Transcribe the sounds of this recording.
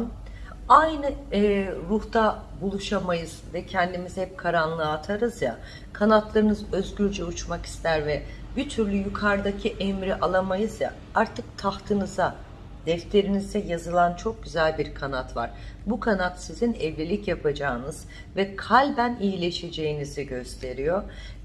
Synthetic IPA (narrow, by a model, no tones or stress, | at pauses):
n | ajnɯ | ɾuht̪a | bulˠuʃamajɯzvɛcʰɛnd̪imizhɛp̚kʰaɾanlˠɯat̪ʰaɾɯzja | kʰanat̪lˠaɾɯnɯzø̞zɟyɾd͡ʒɛut͡ʃmaki̥st̪ʰæɾvɛbit̪ʰyɾlʲyjukʰaɾd̪acʰiʔɛmɾiʔalˠamajɯzja̰ | aɾt̪ʰɯk̚t̪ʰaht̪ʰɯnɯza | d̪̥ɛft̪ʰe̞ɾinizd̪ɛjazɯlˠant͡ʃʰo̞k̚ɟyzælʲbiɾkʰanat̪va̰ɾ̥bukʰanat̪sizinɛvlʲilʲicjapʰad͡ʒaːɯnɯz̥ | vɛkʰalʲbænijilʲe̞ʃe̞d͡ʒe̞jiniziɟø̞st̪ʰe̞ɾijo̞